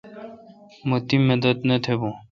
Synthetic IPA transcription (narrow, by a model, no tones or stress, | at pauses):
mot̪imːed̪ɐt̪net̪ʰebũː